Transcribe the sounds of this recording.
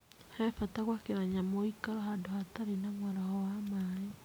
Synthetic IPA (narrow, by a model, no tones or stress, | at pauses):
hɛfataɣwakeɾaɲamɔikaɾɔɦadohataɾenaŋwaɾahɔwamae